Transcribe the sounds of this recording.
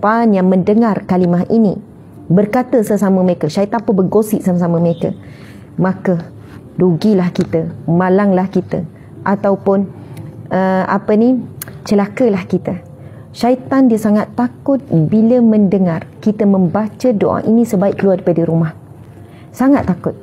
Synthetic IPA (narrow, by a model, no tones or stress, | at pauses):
panjaŋmə̃ndəŋarkalimaɦʔini | bərkat̪əsəsaməməɾekəʃait̪anpəbərɡosɪʔsaməsaməməɾekə̰ | mãkə | duɡilahkit̪əmalaŋlahkit̪ə | ʔat̪awpʊn | əa̰pənit͡ʃəlakəlahkit̪ə | ʃait̪andiəsaŋat̪ːakʊt̪̚biləmə̃ndəŋarkit̪əmə̃mbat͡ʃədoʔa̰ŋʔinĩsəbaiʔkəluaripadəɾumah | saŋat̪ːakʊt̪̚